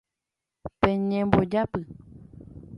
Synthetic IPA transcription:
pẽɲẽmbod͡ʒapɨ

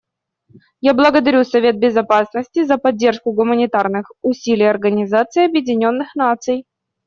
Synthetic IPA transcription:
jablˠəɡəd̪ɐɾʲusɐvʲe̞t̪̚bʲɪzɐpasnəsʲtʲɪzəpɐdʲːe̞rʂkʊɡʊmənʲɪt̪arnɨxʊsʲilʲɪjɐrɡənʲɪzat̪sɨɐbjɪdʲɪnʲo̞nːɨxnat̪sɨj

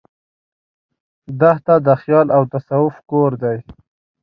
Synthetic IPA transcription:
d̪aht̪ad̪əxjɑlawt̪asawʊfkoɾd̪aj

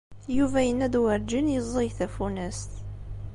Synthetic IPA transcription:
juvæjənːæd̪wəɾd͡ʒinjəzˤəjθæfunæst̪

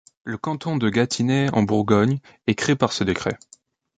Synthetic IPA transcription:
ləkɑ̃t̪ɔ̃d̪əɡat̪ʰinɛɑ̰̃buʁɡɔɲ | ɛkχeepaʁsəd̪ekχɛ

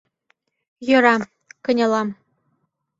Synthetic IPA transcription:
jɤ̆ɾɑ | kɤ̆nʲɤ̆lˠɑm

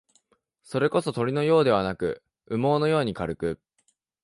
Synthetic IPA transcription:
so̞ɾe̞ko̞so̞t̪o̞ɾʲino̞jo̞ːd̪e̞β̞anakɯ̟̰ | ɯ̟mo̞ːno̞jo̞ːɲ̟ikaɾɯ̟kɯ̟

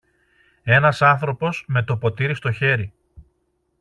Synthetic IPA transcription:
e̞nɐsɐnθɾo̞po̞sme̞t̪o̞po̞t̪iɾist̪o̞çe̞ɾi

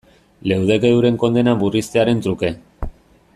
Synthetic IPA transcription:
le̞wð̞e̞ke̞ðuɾe̞ŋko̞nd̪e̞naβurist̪e̞aɾe̞nt̪ɾuke̞

